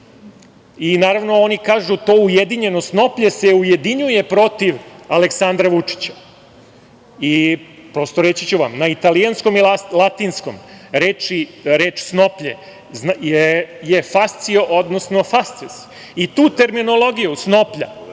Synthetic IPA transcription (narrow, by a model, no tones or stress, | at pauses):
inaːɾaʋno̞onikaːʒut̪o̞ːujed̪iɲe̞no̞sno̞pʎese̞uje̞d̪iɲuje̞pɾo̞t̪iʋaleksand̪ɾaʋut͡ʂi̥t͡ɕḁ | ipɾo̞st̪oɾet͡ɕit͡ɕuʋa̰mnait̪alijansko̞milalˠat̪iːnsko̞̰mɾeːt͡ʃiɾe̞ːt͡ʃsno̞pʎḛ | zjejefast̪sioʔod̪nosno̞fast̪ses | it̪uːt̪e̞ɾmino̞lo̞ɡijusno̞pʎa̰